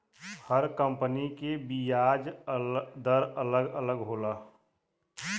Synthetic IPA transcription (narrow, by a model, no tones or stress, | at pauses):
həɾkə̃mpənikebijaːd͡ʒ | d̪əɾələɡələɡɦoːlaː